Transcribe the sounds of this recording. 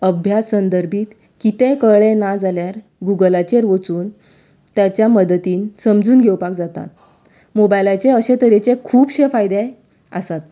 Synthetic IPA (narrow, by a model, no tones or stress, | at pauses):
əbʱjasːənd̪əɾbʱiːt̪ | kit̪ekəɭenad͡zaljaɾ | ɡuɡəlat͡ɕeɾʋət͡suːn | t̪jat͡ɕjaməd̪ət̪iːnsəmd͡zuːnɡʱewpakd͡zat̪a̰t̪ | mobajlat͡ɕeəɕet̪əɾet͡sekʰuːbɕefajd̪e | ə̰sat̪